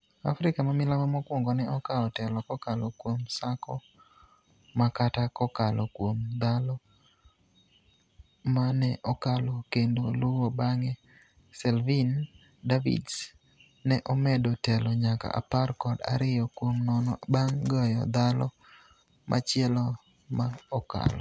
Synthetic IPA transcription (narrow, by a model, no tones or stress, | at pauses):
a̰fɾɪkamamɪlamamɔkwoŋɡɔnɛɔkaɔtɛlɔkɔkalɔkwomsakʰɔ | makatakɔkalɔkwomd̪alɔ | manɛʔɔkalɔkendolʊwobaŋɛ | sɛlvin | davḭd | nɛʔɔmɛdotɛlɔɲaka̰ʔa̰parkɔda̰ɾɪjɔkwomnɔnɔbaŋɡɔjɔ̰d̪alɔ | mʔa̰t͡ʃjɛlɔ | maɔka̰lɔ̰